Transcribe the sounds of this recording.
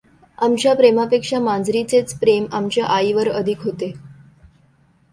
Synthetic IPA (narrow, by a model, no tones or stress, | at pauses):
amt͡ɕjapɾemapekʂamãnd͡zɾit͡set͡spɾemamt͡ɕjaʔaiʋəɾəd̪ʱikɦot̪e